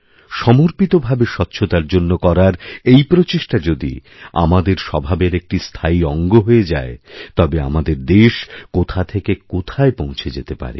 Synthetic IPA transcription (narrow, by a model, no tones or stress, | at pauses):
ʃɔmoɾpit̪obʱabeʃɔt̪ːɕʰot̪aɾd͡ʑonːokɔɾaɾejpɾot͡ɕeʃʈad͡ʑod̪ḭ | a̰mad̪eɾʃɔbʱabeɾek̚ʈist̪ʰaiɔŋɡoɦojed͡ʑa̰et̪ɔbea̰mad̪eɾd̪eʃkot̪ʰat̪ʰekekot̪ʰaepõw̃t͡ɕʰed͡ʑet̪epa̰ɾḛ